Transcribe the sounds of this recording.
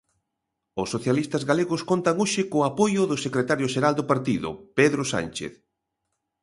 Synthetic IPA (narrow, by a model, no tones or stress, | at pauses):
ʊsːoθjalist̪azɣaleɣʊskont̪aŋoʃɪkoapojʊðʊsekɾet̪aɾjʊʃeɾald̪opaɾt̪iðʊ̰peðɾʊsa̰nt͡ʃḛθ